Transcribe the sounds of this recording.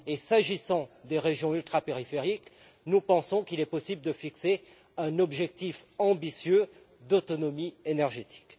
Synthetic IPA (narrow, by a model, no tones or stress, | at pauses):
esaʒisɑ̃d̪eʁeʒjɔ̃ylt̪χapeʁifeʁik | nupɑ̃sɔ̃kilɛpɔsibld̪əfikse | ɛ̃nɔbʒɛk̚t̪ifɑ̃bisjø | d̪ot̪ɔnɔmienɛʁʒet̪ʰi̥k